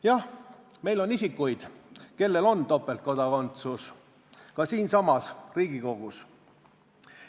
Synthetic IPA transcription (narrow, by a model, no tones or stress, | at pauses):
jɑh | me̞jlo̞nisikːujd̪̥ke̞lːe̞lo̞nt̪o̞pːˑe̞lt̪̚ko̞d̪̥ɑko̞nt̪sus | kɑsiːnsɑmɑsriːɡ̥iko̞ɡ̥us